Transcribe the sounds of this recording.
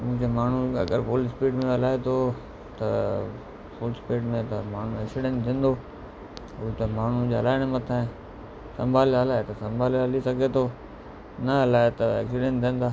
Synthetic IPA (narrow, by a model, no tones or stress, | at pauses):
mũɦɪ̃d͡ʑemaːɳ̤uɐ̰ɡəɾpoːlspiːʈmẽɐlaːet̪ʰo | t̪ɐ̰ | poːlspeːʈmẽt̪ɐmaːɳ̤uɛksɪɖẽːnʈt̪ʰĩːnd̪o | ʊt̪emaːɳ̤ud͡ʑeːɐlaːɪɽ̃mɐt̪ʰaːẽ | sɐ̃mbʱaːlːlaːet̪ɐsɐ̃mbʱaːlaːlisɐɡʱet̪ʰo | nɐɐlaːɪt̪ɐɛ̰ːksɪɖẽːnʈt̪ʰĩːə̃nd̪aː